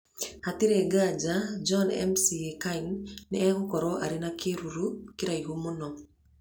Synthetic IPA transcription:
hatiɾeɡad͡ʒad͡ʒɔnɛ̰msiekaiŋnɛɛhɔkɔɾɔʔaɾɪnakʰeɾuɾukiɾaihumonɔ

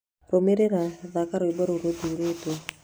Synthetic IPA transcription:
ɾomeɾeɾaðakaɾoibaɾoɾoduɾeto

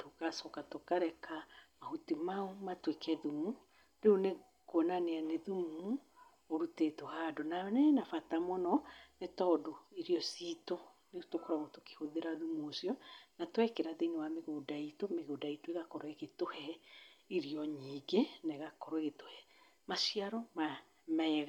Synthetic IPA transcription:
tokasɔkatokaɾɛkamahutimaomatwekʰɛðumu | ɾeone | konaneaneðumu | oɾutetohadonanɛnafatamɔnɔnetɔdoiɾiɔsito | netokoɾaɣotoke̥hoðeɾaðumosjɔnatwɛkeɾaðeinewameɣodaitomeɣodaitoeɣakɔɾɔeɣetohɛiɾiɔɲiːɡeneɣakɔɾɔeɣetohɛ | maʃiaɾɔma | mɛɛɣa

